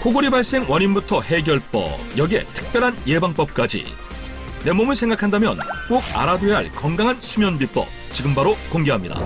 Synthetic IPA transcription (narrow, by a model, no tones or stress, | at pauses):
hoɡoɾibaɭs͈e̞ŋwʌɲinbutʰʌhe̞ɡjʌɭp͈ʌ̰jʌɡe̞̰tʰɯ̥k̚p͈jʌɾɦanje̞baŋp͈ʌp̚k͈ad͡ʑḭ | ne̞momɯɭsʰe̞ŋɡakʰandamjʌ̰nk͈oɡa̰ɾadweɦaɭkʌŋɡaŋɦansʰumjʌnbip͈ʌ̰t͡ɕiɡɯmbaɾokoŋɡeɦamɲida̰